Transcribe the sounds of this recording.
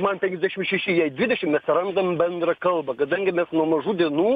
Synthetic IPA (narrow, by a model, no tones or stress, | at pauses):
mɐnpʲɛŋʲkʲɛzʲd̪ʲæʃʲɪmʃʲɛʃʲɪjɛɪd̪ʲʋʲɪd̪ʲɛʃʲɪmmʲɛsʲɪɾɐnd̪ɐmbʲɛnd̪ɾɐkɐlˠbɐkɐd̪ɐŋʲɡʲɪmʲɛsnuɔmɐʒuːd̪ʲiɛnuː